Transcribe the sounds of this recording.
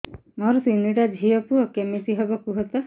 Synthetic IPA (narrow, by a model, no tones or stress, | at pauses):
mɔɾɔsiniʈad͡ʒʱiɔpuɔkemesiɦebɔkuɦɔt̪ɔ